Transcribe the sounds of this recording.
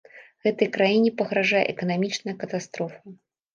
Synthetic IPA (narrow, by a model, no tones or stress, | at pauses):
ɣɛt̪ɐjkɾajinʲɛpɐɣɾaʐajɛ̰ʔɛkɐnamʲit͡ʂnɐjɐkɐt̪ast̪ɾɔfɐ